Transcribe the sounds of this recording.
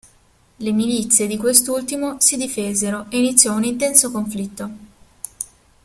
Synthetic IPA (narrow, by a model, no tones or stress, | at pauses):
lemilit̪sːjed̪ikwest̪ult̪imosid̪ifeːzeɾoʔeinit̪sːjɔunint̪ɛnsokoɱflit̪ːo